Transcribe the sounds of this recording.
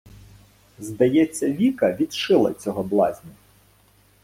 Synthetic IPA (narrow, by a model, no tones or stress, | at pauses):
zd̪ɐjɛt͡sʲːɐʋʲikɐʋʲid̪ʃɪlˠɐ̰t͡sʲɔɦɔblˠɑzʲnʲɐ